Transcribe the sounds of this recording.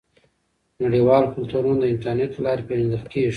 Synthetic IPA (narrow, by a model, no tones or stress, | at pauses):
naɽiwɑlokʊlt̪uɾunod̪əɪɳʈaɾneʈlɑɾepeʒnd̪əxt̪keʒ